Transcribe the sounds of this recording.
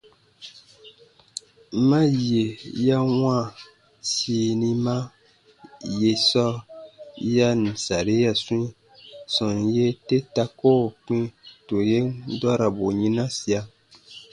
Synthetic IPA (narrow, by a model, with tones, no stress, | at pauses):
ma˦je˨ja˦ŋã˦˨ | siː˨ni˦ma˦ | je˨sɔ˦ | ja˦n̩˨sa˨ɾe˦ja˦sũ˦i˦ | sɔ˨nje˦te˦ta˦ko˦˨k͡pĩ˦to˨je˦ndɔ˦ɾa˨bo˨ɲi˦na˦si˨a˦